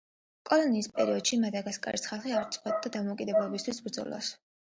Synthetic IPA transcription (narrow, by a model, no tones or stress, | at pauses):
kʼɔlɔniːspʼɛɾiɔd̪̥ʃimad̪aɡaskʼa̰ɾisχalˠχiavɾt̪sʼχɔt̪̚ʼd̪ad̪amɔukʼid̪ɛblˠɔbist̪ʰwisbɾd̪zɔ̰lˠɔ̰s